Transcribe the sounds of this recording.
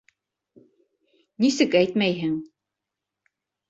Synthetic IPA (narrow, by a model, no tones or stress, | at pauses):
nisɘkæjt̪mæjɦɘŋ